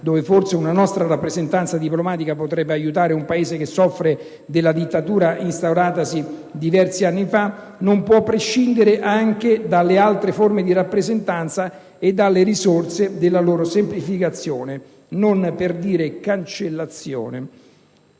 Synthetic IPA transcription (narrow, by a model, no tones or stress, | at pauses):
d̪oːveforseunanɔst̪ɾaɾapːɾezent̪ant̪sad̪iplomaːt̪ikapot̪ɾɛbːeajut̪aːɾeumpaeːzekesːɔfːɾe | d̪elːad̪it̪ːat̪uːɾaʔinst̪awɾaːt̪asid̪ivɛrsianːifa | nompwɔpːɾeʃːind̪eɾeʔaŋk̟ed̪alːealt̪ɾeformed̪iɾapːɾezent̪ant̪sa | ed̪ːalːeɾizort̪sed̪elːaloːɾosemplifikat̪sːjoːne | nonperd̪iːɾekant͡ʃelːat̪sjo̰ːne